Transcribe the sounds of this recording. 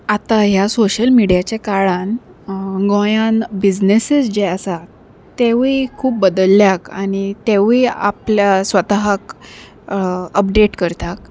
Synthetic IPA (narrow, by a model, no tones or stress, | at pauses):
at̪aɦjasoɕəlmiɽijat͡ɕekaɭãn | ɡõjãnbid͡ʑnesisd͡ʑeəsa | t̪eʋikʰuːp̚bəd̪əlːjakaɽ̃it̪eʋia̰pljasʋət̪aɦak | əp̚ɖeʈkəɾt̪ak̚